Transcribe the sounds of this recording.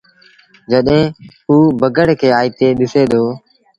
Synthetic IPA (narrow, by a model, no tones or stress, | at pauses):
d͡ʒəɗɦẽːɦuːbʱəɡəɽkʰeːaːiːt̪eːɗɪseːd̪ʱoː